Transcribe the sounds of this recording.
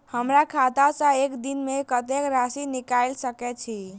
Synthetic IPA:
həmɾakʰat̪asə̃ekd̪inmekət̪ekɾasinikajlsəkɛt͡ʃʰi

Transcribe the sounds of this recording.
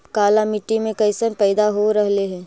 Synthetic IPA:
kaːlamɪʈːimẽkɐɪsəmpɛːd̪aɦoɾəɦleɦɛ̃ː

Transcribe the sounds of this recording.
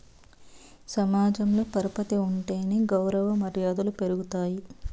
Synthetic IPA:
sɐmaːd͡ʒɐmloːpɐɾɐpɐt̪iuɳʈeːniɡɐwɾɐʋɐmɐɾjaːd̪ɐlupe̞ɾuɡut̪aːji

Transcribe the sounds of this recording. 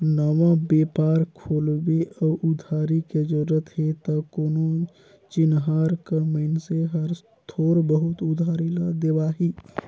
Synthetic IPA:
nəʋabepaːɾkʰoːlbeɔʔud̪ʱaɾiked͡ʒoɾət̪ɦet̪ɔkono | t͡ʃɪnɦaɾkaməɪnseɦəɾs | t̪ʰoːɾbəɦut̪ud̪ʱaɾiləd̪eʋaɦi

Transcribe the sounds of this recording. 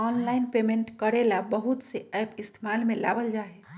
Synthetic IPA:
ɔnlainpemẽɳʈkəɾelabəɦut̪seɛːpɪst̪ʰemalmẽla̰bəld͡ʒaːe

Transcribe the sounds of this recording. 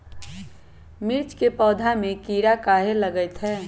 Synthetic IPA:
mɪɾt͡ʃkepɔːd̪ʱamẽkiːɾakaːɦeləɡəɪt̪ɦɛː

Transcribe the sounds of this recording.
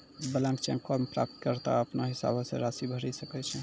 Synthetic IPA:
bəlãmkt͡ʃɛ̃ŋkaɾmepɾa̰p̚t̪kəɾt̪a̰əpnaɦisa̰bʱsḛɾasibʱəɾɛsəkɛt͡ʃʰɛ

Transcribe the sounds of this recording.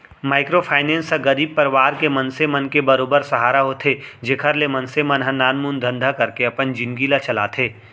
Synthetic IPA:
maːɪkɾopʰaːɪnẽːnsaɡɐɾiːb̚pɐɾʋaːɾkemɐ̃nsemɐ̃nkebɐɾoːbəɾsɐɦaːɾaɦot̪ʰed͡ʒeːkʰəɾlemɐnsemɐnɦãnaːnmund̪ʱə̃nd̪ʱakɐɾkeɐpənd͡ʒɪ̃nɡilat͡ʃɐla̰ːt̪ʰeː

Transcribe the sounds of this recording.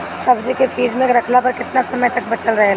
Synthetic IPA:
sɐbd͡ʒkefʰiːd͡ʒmẽeːkɾɐkʰlapɐɾkɪt̪nasɐməjt̪ɐk̚bɐt͡ʃəlɾɐɦe

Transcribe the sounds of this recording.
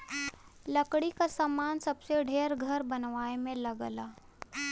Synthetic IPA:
ləkɽikasamaːnsɐbseɖʱeːɾɡʱɐɾbɐnʋaːemẽlɐɡlaː

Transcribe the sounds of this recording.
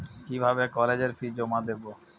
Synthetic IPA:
kibʱabekɔled͡ʑeɾfid͡ʑomad̪ebo

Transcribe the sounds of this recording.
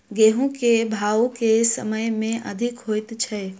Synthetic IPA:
ɡeːɦũkebʱaːokesəməjmẽʔəd̪ʱɪkɦoːɪt̪t͡ʃʰɐ

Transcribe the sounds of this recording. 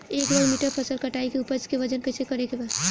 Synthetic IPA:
eːkɾɔɽmiʈəɾpʰəsəlkəʈaikeupəskeʋəd͡ʒənkəɪsekəɾekeba

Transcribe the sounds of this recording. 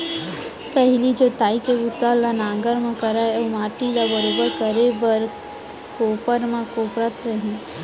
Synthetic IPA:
pɛɦlid͡ʒoːt̪aːikebʊt̪alanãːɡəɾmãkɐɾaɛomaːʈilabɐɾoːbəɾkəɾebəɾ | koːpəɾmãkoːpɾət̪ɾɐɦĩ

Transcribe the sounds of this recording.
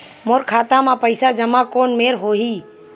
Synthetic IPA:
moɾkʰat̪amapəɪsad͡ʒəmakonmeɾɦoɦi

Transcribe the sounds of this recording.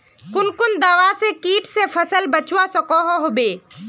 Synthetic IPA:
kʊnkʊnd̪awasekiːʈsepʰəsəlbət͡ʃwasɔkɔɦɔɦobeː

